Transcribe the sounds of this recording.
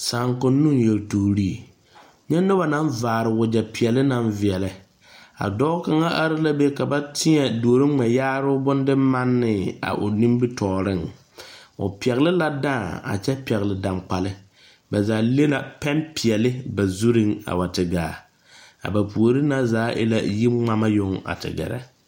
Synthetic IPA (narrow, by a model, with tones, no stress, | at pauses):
saː˨ŋkʊ˨nːu˦ŋjɛ˨ltu˨ɾi˦˨ | ɲɛ˦nʊ˦ba˨na˦n˦vaː˨ɾɪ˨wʊ˨d͡ʒɛ˨pɪ˨ɛ˨lɪ˦na˦ɱvɪ˨ɛ˨lɪ˨ | a̰˨dɔː˦ka˨ŋa˦ʔa˦ɾɪ˦la˦be˦ka˨ba˦tʰɪ˦ɲɛ˨du˨o˨ɾɪ˦ŋ͡mɛ˨jaː˦ɾʊ˦bʊ˦ndɪ˦ma˦nːɪ˨a̰˨ʔʊ̰˨ni˦mbɪ˦tʰɔː˨ɾɪ˦˨ŋ | ʊ̰˨pi˨ɛ˨ɣlɪ˦la˦da˦˨a̰˨t͡ʃɛ˦pɛ˨ɣɪ˨lɪ˨da˨mk͡pa˨lɪ˦ | ba˨zaː˨˦le˦na˨pɛ˦npɪ˨ɛ˨lɪ˦ba˨zu˦ɾi˦ŋa̰˨ba˨tɪ˨ɡaː˨ | a̰˨ba˨pu˨o˨ɾɨ˦na˦zaː˨˦ʔɪ̰˦la̰˦ji˦ŋ͡ma˦ma˦jʊ˦ŋa̰˨tɪ̰˨ɡɛ̰˨ɾɛ̰˨